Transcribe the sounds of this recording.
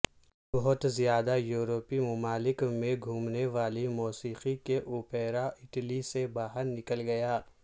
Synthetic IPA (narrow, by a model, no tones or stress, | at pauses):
bɔɦʊt̪zijaːd̪ajuːɾopimʊmaːlɪkmẽɡʱuːmneʋaːlimɔːsiːqikeʔuːpeːɾaʔɪʈlisebaːɦəɾnɪkəlɡɐjaː